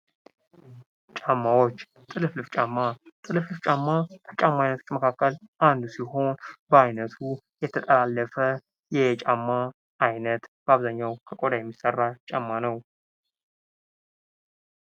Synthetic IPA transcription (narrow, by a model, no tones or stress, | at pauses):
t͡ʃʼamːawo̞t͡ʃː | t̪ʼɨlɨflɨft͡ʃʼamːat̪ʼɨlɨflɨft͡ʃʼamːat̪ʰət͡ʃʼamːajnət̪ʰot͡ʃːməkʰakːəlʔand̪usiho̞nbəajnət̪ʰu | jɛt̪ʰət̪ʼəlalːəfə | jɛt͡ʃʼamːaː | jnət̪b̥əaβzaɲːawkʰəkʼod̪ajɛmːisərːat͡ʃʼamːanəw